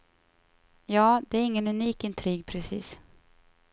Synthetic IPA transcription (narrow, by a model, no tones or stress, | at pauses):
jɑːd̪ɛæɾɪŋːənɵniːkɪnt̪ʰɾiːɡ̚pʰɾɛsḭːs